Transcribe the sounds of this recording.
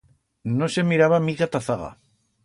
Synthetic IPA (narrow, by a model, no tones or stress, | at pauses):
nosemiɾaβamiɣat̪aθaɣa̰